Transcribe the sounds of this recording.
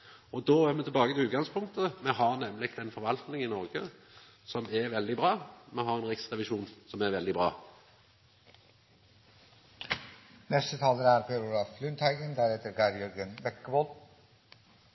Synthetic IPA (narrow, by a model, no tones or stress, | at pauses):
ɔd̪oːæːʁmɛt̪ʰɪlbɑːɡət̪ɪʉːt̪ɡɑŋspʰʊŋk̚t̪ʰəmɛɦɑʁnɛmlɪɡt̪ɛnfɔɾʋɑlt̪nɪŋɪnɔɾɡə | sɔmɛʋɛld̪ɪbʁɑːmɛɦɑʁɛnʁɪksʁɛʋɪʃuːnsɔmɛʁʋɛld̪ɪbɾɑ̰ː | nɛst̪ət̪ʰɑːlənæɾpʰeɾuːɾɑflʉnt̪ʰæɪɡənd̪æːɾheːt̪əɾɡæɾjœɾɡənʋɛkːəbɔl